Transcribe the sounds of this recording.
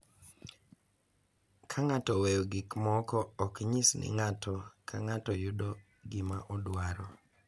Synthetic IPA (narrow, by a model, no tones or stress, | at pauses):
kʰaŋatɔwewɡɪkmɔkɔːkɲisnʔɪ̰ŋatʰɔkʰaŋatɔjʊdɔ | ɡɪmaʔɔdwaɾɔ